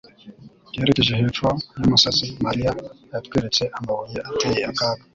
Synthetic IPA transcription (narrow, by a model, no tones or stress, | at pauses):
jeɾekeʒeheːfojamusazimaɾia | jatkwiːɾet͡se̞ʔambaɣojeʔateːjeakaːkḁ